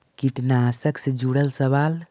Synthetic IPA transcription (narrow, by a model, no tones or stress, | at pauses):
kiʈnasəksəd͡ʒuɽəlsəβal